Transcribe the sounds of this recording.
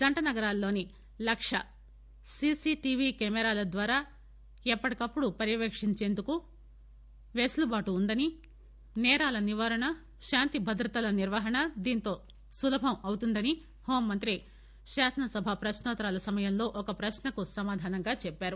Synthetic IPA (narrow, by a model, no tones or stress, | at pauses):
d͡ʒɐɳʈɐnɐɡɐɾaːlːo̞ːni | lɐkʂɐ | sisiʈiʋikɛːmɛɾaːlɐd̪ʋaːɾaː | ɛpːɐʈikɐpːuɽupɐɾjɐʋeːkʂiɲt͡ʃe̞ːnd̪uku | ʋeːslubaːʈuːnd̪ɐni | nɛːɾaːlɐniʋaːɾɐɳɐ | ʃaːnt̪ibʱɐd̪ɾɐt̪ɐlɐniɾʋɐɦɐɳɐd̪iːnt̪o̞ː | sulɐbʱɐmɐwt̪und̪ɐni | hoːmːɐnt̪ɾi | ʃaːsɐnɐsɐbʱapɾɐʃnɔːt̪ɐɾaːlɐsɐmɐjɐmlo̞ːʔɔkɐpɾɐʃnɐkusɐmaːd̪ʱaːnɐŋɡaːt͡ʃɛpːaːɾu